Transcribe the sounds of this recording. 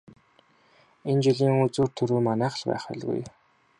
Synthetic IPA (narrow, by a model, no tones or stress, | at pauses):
ent͡ɕiɮiːŋut͡suːrt̪ʰɵɾuːmanæːχə̆ɮpæ̰ːχʊ̰ɮɣṵj